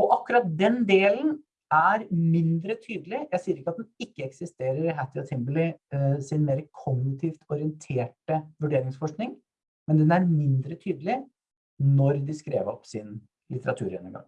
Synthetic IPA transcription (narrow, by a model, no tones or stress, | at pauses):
ɔʔɑkːʉɾɑt̪̚d̪ɛnd̪eːlən | æɾmɪnd̪ɾət̪ʰyːd̪əlɪjæɪsiːəɾɪkːəɑt̪̚d̪ɛnɪkːəɛksɪst̪eːɾəɾɪɦæt̪ɪɑt̪ʰɪmbəlɪsɪnmeːɾəkʰɔɡnɪt̪ʰiːft̪ʰɔɾɪənt̪ʰeːʈəʋʉɖeːɾɪŋsfɔʂknɪŋ | mɛnd̪ɛnæɾmɪnd̪ɾət̪ʰyːd̪əlɪ | nɔɾd̪ɪskɾḛːʋɔpsɪn | lʔɪt̪əɾɑt̪ʰʉ̰ːɾjɛ̰nːə̰ŋɡɑ̰ŋː